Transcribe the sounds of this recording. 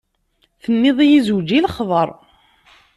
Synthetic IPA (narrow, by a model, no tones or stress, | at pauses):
θənːɪðˤijizwd͡ʒiləχðˤəɾˤ